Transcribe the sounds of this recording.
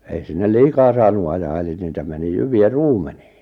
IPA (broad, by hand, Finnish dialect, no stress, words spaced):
ei sinːel liːkɑː sɑːnu ɑjɑː eli niːtæ meni jyʋiæ ruːmen̥i̥ː